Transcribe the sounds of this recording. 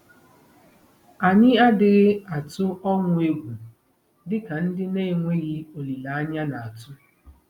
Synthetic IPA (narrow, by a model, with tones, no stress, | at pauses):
a˨ɲɪ˦a˦dɪ˨ɣɪ˦a˨tʊ˦ɔ˦ŋʷʊ˦e˦ɡʷu˨ | dɪ˦ka˨n̩˦dɪ˦ne˦˨ŋʷe˦ɣi˦o˨li˨la˨a˦ɲa˦na˨a˨tʊ˦